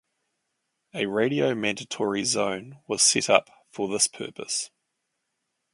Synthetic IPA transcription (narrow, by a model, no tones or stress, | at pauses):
əɹeɪɾiəʊmæ̃ndətʰɔɹizə̃ʊ̃nwɒz̥sɛtʌ̰p | fəðɪspʰɜ̰ˑpʰəs